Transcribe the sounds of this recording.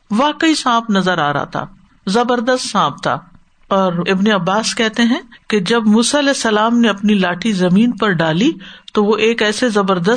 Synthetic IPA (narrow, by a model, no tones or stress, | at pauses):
ʋaːkəisãːpʰnɐzəɾaːɾɐ̰ɦt̪ʰa̰ː | zɐbəɾd̪əst̪sãːp̚t̪a̰ː | ɔːɾɪbneɐbːaːskɛɦt̪eɦɛ̃ked͡ʒɐbmuːsaɐlɛːsːɐlaːmneɐpnilaːʈʰizɐmĩːnpɐɾɖaːlit̪oʋoʔeːkɛːsezɐbəɾd̪ə